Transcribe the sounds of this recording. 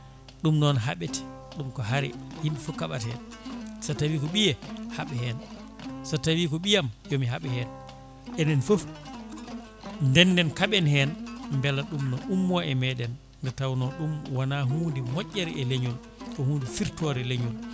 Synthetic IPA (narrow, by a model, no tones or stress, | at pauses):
ɗumnɔnɦaɓeti̥ | ɗumkɔɦaɾɛ̰himɓɛfukːaɓatɛnsatawiːkɔɓijɛhaɓɛhɛn | sɔtawiːkɔɓijamjɔmiɦaɓɛhɛːn | ʔɛnɛnfof | ndɛnːɛnkaɓɛnhɛnmbɛlaɗumnɔʔumːaʔɛmɛɗɛnː | dɛtawnɔɗumwanaɦuːndɛmɔʔʲːaɾiʔɛleɲul | kɔhuːndɛfiɾtɔɾɛleɲul